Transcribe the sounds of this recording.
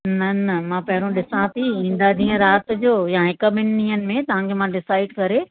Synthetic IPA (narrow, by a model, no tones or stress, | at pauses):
nɐnɐmãːpɐɦɪɾõɗɪsãt̪ʰiĩːn̆d̪ad̪ĩːə̃ɾaːt̪d͡ʑoːjãɦɪkəmɪnnĩːənɪ̆mẽt̪ɐʋ̤ãkʰemãɖɪsaːɪɖkɐɾe